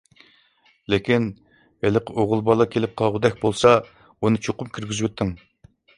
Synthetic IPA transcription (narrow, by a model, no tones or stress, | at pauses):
lekʲin | vælɪqɪʔoʁʊlˠbɑlˠɑkʲʰelɪp̚qʰɑlˠʁud̪ɛk̚ʲbolˠsɑ | unɨt͡ʃʰoqʊmkʲʰyɾɡʲyzwet̪ʰːɪŋ